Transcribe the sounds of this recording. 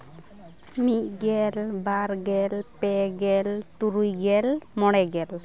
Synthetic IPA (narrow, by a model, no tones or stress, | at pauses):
miʔ̚ɡɛlbaɾɡɛlpɛɡɛlt̪uɾujɡɛlmɔɽ̃ɛɡɛl